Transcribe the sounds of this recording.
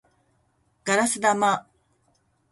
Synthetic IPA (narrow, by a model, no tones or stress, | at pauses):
ɡ̥aɾasɨd̪ama